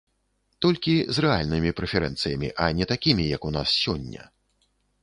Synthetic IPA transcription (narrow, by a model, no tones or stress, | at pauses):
t̪ɔlʲkʲizrɛalʲnɨmʲipɾɛfʲɛɾɛ̰nt̪sɨjɐmʲḭʔɐnʲɛt̪akʲimʲijɐkunassʲɔnʲːɐ̰